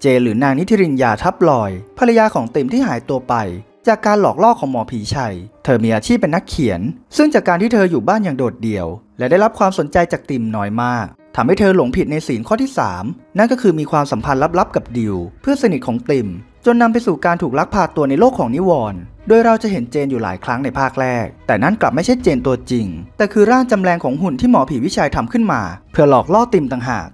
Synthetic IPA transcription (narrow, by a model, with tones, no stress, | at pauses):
t͡ɕeː˧ɾɯː˩˦naː˧ŋni˦˥t̪ʰːi˧ɾi˧njaː˧t̪ʰa˦˥p̚lɔː˧jpʰa˧la˧jaː˧kʰɔː˩˦ŋt̪i˧mt̪ʰiː˥˩ɦaː˩˦jt̪u˧ɐpa˧j | t͡ɕaː˨˩kːaː˧nlɔː˨˩k̚lɔː˥˩kʰɔː˩˦ŋmɔː˧pʰiː˨˦t͡ɕʰa˧jt̪ʰɤː˧miː˧ʔaː˧t͡ɕʰiː˥˩p̚ːe˧nːa˦˥kʰːi˨˩˦ənsɯ˥˩ŋt͡ɕaː˨˩kːaː˧nt̪ʰiː˥˩t̪ʰɤː˧juː˨˩baː˥˩njaː˨˩ŋdoː˨˩t̪̚di˨˧˩əwlɛ˦˥daː˥˩jɾa˦˥p̚kwaː˧mso˩˦nt͡ɕa˧jt͡ɕaː˨˩k̚t̪i˧mnɔː˦˥jmaː˥˩k̚t̪ʰaː˧mha˥˩jt̪ʰɤː˧lo˩˦ŋpʰi˨˩t̪̚na˧jsiː˩˦nkʰɔː˥˩iː˥˩sa̰ː˩˦mna˥˩nkɔː˥˩kʰɯː˧miː˧kʰwaː˧msa˩˦mpʰa˧nla˦˥p̚la˦˥p̚ka˨˩p̚di˧wpʰɯ˥˩ɐsa˧ni˨˩t̪̚kʰɔː˩˦ŋt̪i˧˩m | t͡ɕo˧nːa˧mp̬a˧jsuː˨˩kaː˧nt̪ʰuː˨˩k̚la˦˥k̚pʰaː˧˩t̪ːu˧ɐna˧jloː˥˩kʰːɔː˩˦ŋni˦˥wɔː˧n | doː˧jɾa˧wt͡ɕa˨˩ʔɦe˩˦nt͡ɕeː˧njuː˨˩la̰ː˩˦jkʰɾa˦˥ŋna˧jpʰaː˥˩k̚ɾɛː˥˩k̚t̪ɛː˨˩na˥˩nkla˨˩p̚ma˥˩jt͡ɕʰa˥˩t̚t͡ɕeː˧nt̪u˧ɐt͡ɕi˧ŋt̪ɛː˨˩kʰɯː˧ɾaː˥˩nt͡ɕa˧mɾɛː˧ŋkʰɔː˩˦ŋɦu˨˩nt̪ʰiː˥˩mɔː˨˦pʰiː˨˩wi˦˥t͡ɕʰaː˧jt̪ʰa˧mkʰɯ˥˩nmaː˧pʰɯ˥˧˩ɐlɔː˨˩k̚lɔː˥˩t̪i˧mt̪a˨˩ŋɦa̰ː˨˩k̚